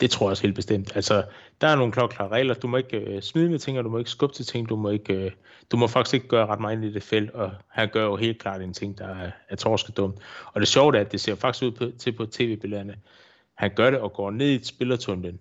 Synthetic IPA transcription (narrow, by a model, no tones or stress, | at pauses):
d̥e̝t͡sʰʁo̝ɐ̰jɒshḛːld̥̚b̥e̝sd̥em̰d̥ælsɒd̥ɑ̈æɐno̝ːn̩kʰlɒɡkʰlɑ̈ːʁɛ̰ːlɐd̥umɒ̽e̝ɡ̥smiðˠəmet͡sʰe̝ŋ̰ɒd̥umɒ̽e̝ɡ̥sɡ̥ɔ̽b̥t͡sʰet͡sʰe̝ŋ̰d̥umɒ̽e̝ɡ̥ø | d̥umɒ̽fɑ̈ɡ̥isɡ̥e̝ɡ̥əɡ̥ɶːɐʁɑ̈d̥mɑ̈nid̥e̝fel̰d̥ɒ̽hænɡ̥ɶɐjo̝ɦe̝̰ːl̚kʰl̥ɑ̰̈ːd̥ent͡sʰe̝ŋ̰d̥ɑ̈æɐt͡sʰɒːsɡ̥əd̥ɔ̽m̰d̥ɒ̽d̥e̝ɕɒʊd̥æɐd̥e̝se̝ɐ̰fɑ̈ɡ̥i̥sɡuð̰ˠpʰɒt͡sʰe̝pʰɒ̽t͡sʰe̝̰ːʋe̝ːb̥e̝leɐnə | hænɡ̥ɶɐɾe̝ɒ̽ɡ̥ɒ̰ːne̝ð̰ˠisb̥e̝lɐt͡sʰɔnd̥en